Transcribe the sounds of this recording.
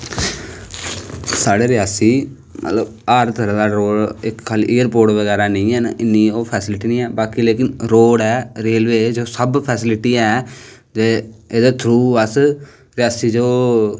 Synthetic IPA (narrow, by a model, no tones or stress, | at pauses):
saːɽeːɾɪjaːsiː | mʔə̰t̪ləb | aːɾt̪ʰəɾãːd̪aːɾoːɽɪkkʰːaːliʔeːəɾpoːɾʈʋəɡɛːɾaːnəĩːɛːna̰ʔɪnːiːoːpʰɛːsɪlɪʈiːnĩːɛːbaːkileːkɪnɾoːɽɛːɾeːlʋeːd͡ʒoːsəbpʰɛːsɪlɪʈiːɛː | d͡ʒeːeːd̪aːt̪ʰɾuːəs | ɾɪjaːsiːd͡ʒoː